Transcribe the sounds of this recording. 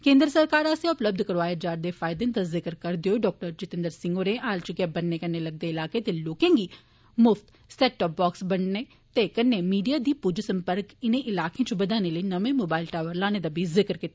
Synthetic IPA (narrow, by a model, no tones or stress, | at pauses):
kẽːnd̪ɾəsəɾkaːɾaːsjaʊpləb̚d̪ʱkəɾʋaːjaːd͡ʒaːɾd̪eːfʰaːɪd̪ẽːnt̪azɪkəɾkəɾd̪eoɖɔːk̚ʈəɾd͡ʒɪt̪ɪ̃nd̪əɾsɪ̃ŋɡoːɾeʔaːlt͡ʃɡɛːp̚bənːeːkənːeːləɡ̚d̪eːɪlaːkeːt̪eːloːkẽːŋɡiː | mʊft̪ | sɛːʈːɔːp̚bɔːksbəɳneː | t̪ekənːeːmiːɖijaːd̪iːpud͡ʒsəmpəɾkɪnẽːʔɪlaːkeãːt͡ʃbəd̪aːneːləiːnəʋẽːmoːbaːɪlʈaːʋəɾlaːneːd̪aːbʱiːzɪkəɾkɪt̪ːa